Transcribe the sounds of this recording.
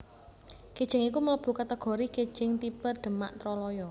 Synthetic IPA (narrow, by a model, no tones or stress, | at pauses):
ked̥ʒ̥ɪ̤ŋikumələb̥ṳkət̪əɡ̥ɔ̤ɾiked̥ʒ̥ɪ̤ŋt̪ipərɖ̪̥ə̤ma̰ʔt̪ɾɔlɔjɔ